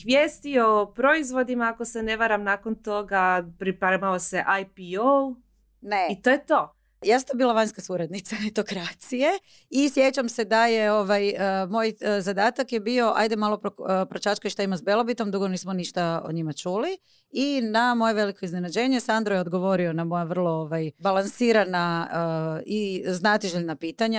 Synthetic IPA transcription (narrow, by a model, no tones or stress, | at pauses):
xʋjeːst̪iopɾoizʋo̞d̪imaakosene̞ʋaɾamnakont̪oɡapɾipaɾemaoseʔajpiol | neit̪ojet̪o | jaːsat̪obiːlˠaʋaɲskasuɾad̪nit̪sanet̪o̞kɾat̪sije̞ | isje̞t͡ɕamse̞d̪aje̞o̞ʋajmo̞jzad̪aːt̪akje̞bio̞ʔa̰jd̪emalˠo̞popɾot͡ʃat͡ʃkaiʃt̪aimaszbje̞lˠo̞bit̪o̞md̪uɡo̞niːsmoniʃt̪ao̰ɲimat͡ʃuːli | inamo̞je̞ʋe̞liko̞izne̞nad͡ʑe̞ːɲesand̪ɾojeod̪ɡo̞ʋo̞ɾio̞namo̞jaʋər̩lˠo̞oʋajbalˠansiːɾanaəiznat̪iʒeʎnapiːt̪aɲa